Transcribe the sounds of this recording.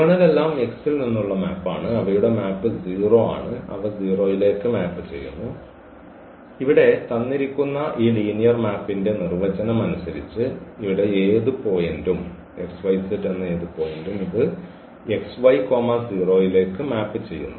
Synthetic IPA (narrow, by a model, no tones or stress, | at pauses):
ɐɳɐle̞lːaːme̞ksilninːuɭːɐmaːpːa̰ːɳɨɐʋɐjuɽe̞maːpːɨd͡ʑiːro̞ːa̰ːɳɨɐ̰ʋɐd͡ʑiːro̞ːjile̞ːkːɨmaːpːɨt͡ɕe̞̰jːṵnːu | iʋiɽe̞t̪ɐnːiɾikʲːunːɐʔiːliːnijɐrmaːpːinde̞nirʋɐt͡ɕɐnɐmɐnusɐɾit͡ɕːɨiʋiɽe̞eːðɨpo̞ːjendum | eksʋɐjsetːenːɨe̞ːðɨpo̞ːjendumiðɨ | e̞ksʋɐjko̞ːmɐd͡ʑiːro̞ːjile̞ːkːɨmaːpːɨt͡ɕe̞jːṵnːu